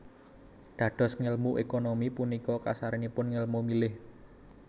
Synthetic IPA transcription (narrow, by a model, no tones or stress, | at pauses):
d̪̥ä̤ɖ̥ɔ̤sŋəlmuʔekonomipunikɔka̰saɾinipʊnŋəlmumilɪh